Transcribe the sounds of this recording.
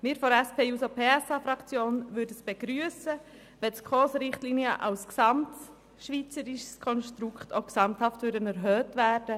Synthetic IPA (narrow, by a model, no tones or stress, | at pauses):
mɪːɾfɔɾɛspʰeːuːsopʰeːɛsɑːfɾɑkt͡sjoːnʋʏɾdəsb̥eɡ̥ɾyəsə | ʋɛtskʰχoːsɾɪχtliːniəʔɑwsksɑmt | ʃʋit͡səɾiʃskʰɔnʃtɾukχtʰoksɑmthɑftʋʉɾdənɛɾɦœːtʋæːɾd̥ə